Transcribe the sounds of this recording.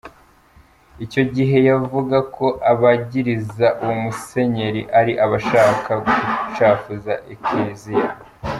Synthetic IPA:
ico̞ɟiɦe̞javuɡako̞ʔaβaɟiɾizaʔuwumuse̞ɲe̞ɾiʔaɾiʔaβaʃaːkaɡut͡ʃaːfuzaʔekezija

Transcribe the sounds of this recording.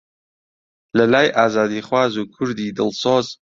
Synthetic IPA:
ləlaːjʔaːzaːd̪iːχwaːzuːkʰʊɾd̪iːd̪ɨlˠsoːz

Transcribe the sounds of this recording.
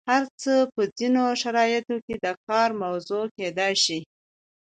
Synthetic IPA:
haɾt͡səpəd͡zinoʃaɾɑjɪt̪oked̪əkɑɾmawzoked̪ɑjʃi

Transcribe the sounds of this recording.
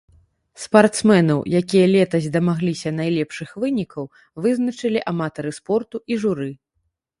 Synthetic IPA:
spart̪smɛnɐwjakʲijɐlʲɛt̪ɐzʲd̪ɐmaɣlʲisʲɐnajlʲɛpʂɨxvɨnʲikʰɐw | vɨznɐt͡ʂɨlʲiʔamat̪ɐɾɨspɔrt̪uʔiʐuɾɨ

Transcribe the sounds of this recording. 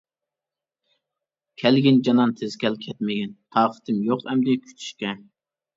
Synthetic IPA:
kʲʰɛlɡʲɪnd͡ʒɑnɑnt̪ʰɪzkʲʰɛlkʲʰɛt̪mɪɡʲɛnt̪ʰɑːqʰə̥t̪ʰɪmjoqɛmd̪ɪkʲʰy̥t͡ʃ̪ʰy̥ʃkʲɛn

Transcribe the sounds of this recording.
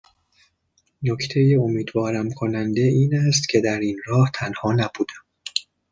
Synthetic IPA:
nocʰt̪ʰe̞jeomiːd̪vɒːɾæmkʰo̞nænd̪eiːnæst̪cʰe̞d̪æɾiːnɾɒːht̪ʰænhɒːnæbuːd̪æm

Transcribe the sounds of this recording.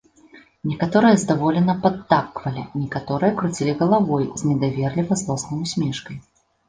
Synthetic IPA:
nʲɛkat̪ɔɾɨjɐzd̪avɔlʲɛnɐpɐd̪ːakːvɐlʲḭnʲɛkat̪ɔɾɨjɐkɾut͡sʲilʲiɣɐlˠavɔjzʲnʲɛd̪avʲɛrlʲivɐzlˠɔsnɨjusʲmʲɛʂkɐj

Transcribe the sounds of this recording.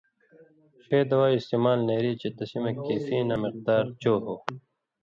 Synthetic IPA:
xeːd̪ɐwaːist̪emaːlneːɾiːt͡ɕet̪ɐsimekːeːfiːnɐmɪq̚d̪aːɾt͡ɕoːɦoː

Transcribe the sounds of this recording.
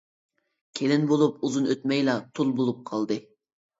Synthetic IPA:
kʲʰelɪnbolˠupuzunøt̪mɛjlɑt̪ʰulˠbolˠup̚qʰɑlˠd̪ɨ

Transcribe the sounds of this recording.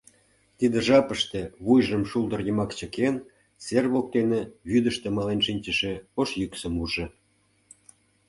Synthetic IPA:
t̪id̪ĕʒɑpəʃt̪ĕβujʒəmʃuld̪ə̆rjəmɑkt͡ɕə̆ken | serβok̚t̪eneβyd̪ə̆ʃt̪ĕmɑlenʃinʲt͡ɕəʃĕoʃjyksə̆muʒĕ

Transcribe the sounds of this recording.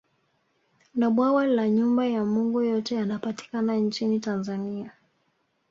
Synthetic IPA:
naɓwawalaɲumbajamuŋɡujɔtɛjanapati̥kanant͡ʃinitanzania

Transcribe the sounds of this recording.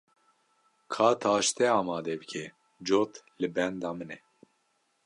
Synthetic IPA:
kʰɑːt̪ʰɑːʃt̪ɛɑːmɑːd̪ɛbɨkʲʰɛ | d͡ʒoːt̪lɨbɛnd̪ɑːmɨnɛ

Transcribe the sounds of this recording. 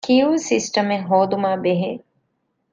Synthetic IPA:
kiusisʈɐmeŋɦoːd̪umaːbeɦe

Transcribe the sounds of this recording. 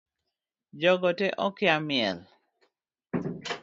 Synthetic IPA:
d͡ʒɔɡɔteʔɔkɪamɪɛ̰l

